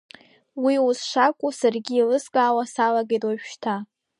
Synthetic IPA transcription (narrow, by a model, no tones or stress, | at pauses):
wiuzʂakʷʼusarɡʲiːlɨskʼaːwasalaɡejtʼwaʃᶣʃtʰa